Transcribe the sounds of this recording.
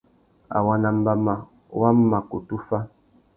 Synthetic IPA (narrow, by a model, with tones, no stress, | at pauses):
a̰˨wa˦na˨m̩˦ba˦ma˨ | wa˦m˦ma˨ku˨tu˦fa˦